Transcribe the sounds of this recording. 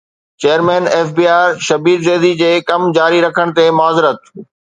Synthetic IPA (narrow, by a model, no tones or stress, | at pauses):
t͡ɕeːəɾmẽːneːfbiːaːɾʃɐbiːd̪zeːd̪id͡ʑeːkɐmd͡ʑaːɾiɾɐkʰəɽ̃t̪emʊaːzɪɾət̪